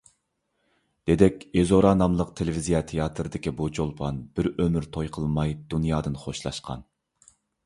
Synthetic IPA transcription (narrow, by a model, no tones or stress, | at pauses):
d̪̥ed̪ɛkʲezoɾɑnɑmlˠəqt̪ʰelɪvizijɑt̪ʰejɑt̪ʰɾɨd̪ɪkʲibot͡ʃʰolˠpʰɑnb̥ɪɾømyɾt̪ʰojqʰəlˠmɑjd̪unjɑːd̪ɨnχoʃlˠɑ̰ʃqʰɑ̰n